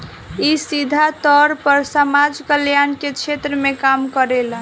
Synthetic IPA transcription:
isid̪ʱat̪ɔɾpəɾsəmad͡ʒkəljanket͡ʃʰet̪ɾəmekamkəɾel

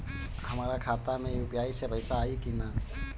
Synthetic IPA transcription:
hɐmaːɾakʰaːt̪amẽjʊpjaːisepəɪsaːikinaː

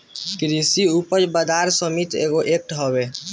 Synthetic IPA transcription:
kɾisiupəɾbəd̪aɾsəmit̪ḛɡoʔek̚ʈɦɔbe

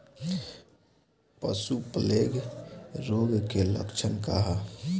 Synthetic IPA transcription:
pə̰supəleɡɾoɡkelə̰kt͡ʃʰənka̰ɦa

